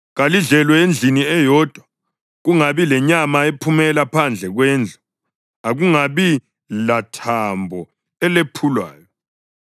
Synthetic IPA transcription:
ɣaliɮɛlwɛend͡ɮʱiniɛjɔd̥ʱwa | ɣuŋaβilɛɲamaepʰumɛlapʰand͡ɮʱɛɣwɛːnd͡ɮʱɔ | aɣuŋaβi | latʰambʱɔ | ɛlepʰulwa̰ːjɔ

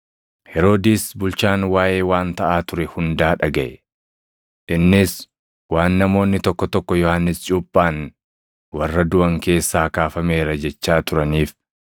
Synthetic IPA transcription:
hɛɾo̞ːd̪iːsbʊlt͡ʃaːnwaːje̞ːwaːnt̪ɐʔaːt̪ʊɾɛhʊnd̪aːᶑɐɡɐʔɛ | ʔɪnːɪs | waːnːɐmo̞ːnːɪt̪ɔkːɔt̪ɔkːɔjɔhanːɪst͡ʃʼuːpʼːaːn | wɐrːɐd̪ʊʔɐŋke̞ːsːaːkaːfɐme̞ːɾɐd͡ʒɛt͡ʃːaːt̪ʊɾɐniːf

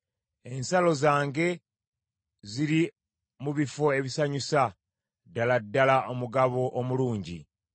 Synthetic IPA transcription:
e̞nsalo̞zaːŋɡe̞ | ziɾi | muβifo̞e̞βisaɲusa | dːaladːalaʔomuɡaβo̞ʔːmuluːɲɟḭ

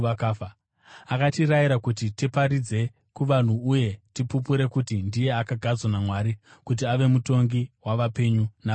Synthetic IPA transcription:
akaːfa | akatiɾajiɾakutitipaɾid͡ze̞ | kuʋan̤uuje̞tipup̬uɾe̞kutindije̞akaɡʱad͡zwanamwaːɾikut̬iaʋe̞muto̞ŋɡiwaʋape̞ɲuna

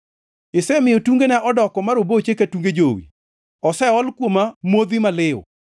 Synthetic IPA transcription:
ɪsɛmɪjɔtuŋɡenɛʔɔdɔkɔmaɾobot͡ʃekatuŋɡed͡ʒowḭ | ɔsɛɔlkwomamwod̪imalɪɔ̰

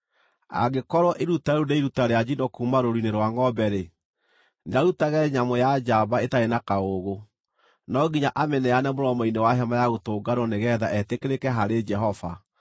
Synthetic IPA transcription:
a̰ɡekɔɾɔʔeɾutaeundeiɾutaɾead͡ʑinɔkuːmaɾoɾineɾwaŋɔbɛɾe | neaɾutaɣɛɲamojad͡ʒabaetaenakaoɣo | nɔɡiɲaʔamɛnɛanɛmoɾɔmɔinewaɦɛmajaɣotoːɡaɾɔneɣɛðaʔɛtekeɾekɛɦaɾed͡ʒɛɦɔva

